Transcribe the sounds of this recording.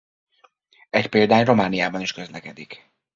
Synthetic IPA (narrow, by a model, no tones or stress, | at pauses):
ɛcpeːld̪aːɲro̞maːnijaːbɒniʃkø̞zlɛkɛd̪ik